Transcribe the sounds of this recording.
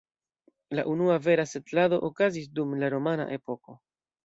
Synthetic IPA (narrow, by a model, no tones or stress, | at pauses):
la̰ʔunuave̞ɾasetlado̞ʔokazis̬dumlaɾomana̰ʔe̞po̞ko̞